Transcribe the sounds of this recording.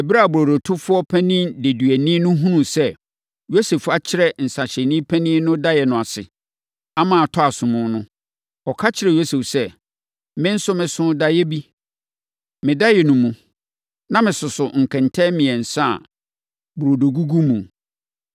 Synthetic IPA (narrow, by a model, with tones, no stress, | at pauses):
ɛ˨bi˦ɾa˦˨bu˨ɾo˨do˨tʰʊ˦fʊ˦ɔ˦pʰæ̃˦nĩ˦de˨dɥæ˨nĩː˦nʊ̃˦ɦũ˦nũ˨sɛ˦ | jo˦se˨fa˨t͡ɕʰɪ˦ɾɛ˦˨n̩˨sa˨ɕɛ˨nĩ˦pʰæ̃˦nĩ˦nʊ̃˦da˦jɛ˨nʊ̃˨a˨sɪ̰˨ | a˦mãː˨tʰɔ˦a˨sʊ̃˨mʊ̃˦nʊ̃˦ | ɔ˨kʰa˦t͡ɕʰɪ˨ɾɛ˨jo˦se˨fsɛ˦ | mɪ̃˦n̩˦sʊ˦mɪ̃˨sʊ̃˦da˦jɛ˦bi˦ | mɪ̃˨da˦jɛ˨nʊ̃˨mũ˨ | nã˦mɪ̃˨sʊ˨sʊ˨ŋ̩˨kʰɛ̃˨ntʰɛ˦mĩ˨ɛ˨n̩˨sa̰˦˨ | bu˨ɾo˨do˨ɡu˦ɡu˦mũ˨